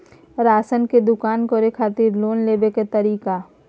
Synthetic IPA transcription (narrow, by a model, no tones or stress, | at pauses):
ɾaːsənked̪ʊkaːnkoɾekʰaːt̪iːɾloːnleːbeket̪ɐɾiːka